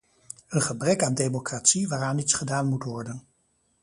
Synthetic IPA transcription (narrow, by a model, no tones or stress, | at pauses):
ənχəbrɛkaːndejmokraːtsiʋaːraːnitsχədaːnmutʋɔɹdən